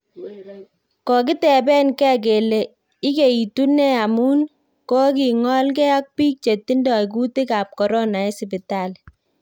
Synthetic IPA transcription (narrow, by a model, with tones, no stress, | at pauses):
kɔ˨k̬ɪ˦tɛ˨bɛ˦nkɛ˦k̬e˨le˨ | i˦ke˨i˨tu˦nɛ˦a˨mu˦n | kɔ˦k̬i˨ŋɔ˦lk̬ɛ˦a˦k̚piː˦k̚t͡ʃe˨tːi˦ndɔ˨ik̬u˦ti˦ka˨p̚kɔ˨ɾɔ˦na˨e˦sɪ˨p̬ɪ˨ta˦˨l